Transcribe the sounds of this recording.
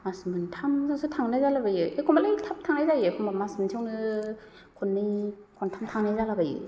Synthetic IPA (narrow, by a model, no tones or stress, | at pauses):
masmɯntʰamzaŋsɯtʰaŋnajzalabajɯʔekʰɔmbalajtʰap̚tʰaŋnajzajɯkʰumbamasmɯntʰewnɯ | kʰɔnːɯj | kʰɔntʰamtʰaŋnajzalabajɯ̰